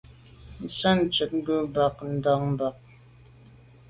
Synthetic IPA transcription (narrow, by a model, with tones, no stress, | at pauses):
n̩˨sa˦n̩˨t͡ʃə˨t̚ŋ̩˦ɡə˦ba˨k̚n̩˨˦da˨˦ŋm˦ba˨k̚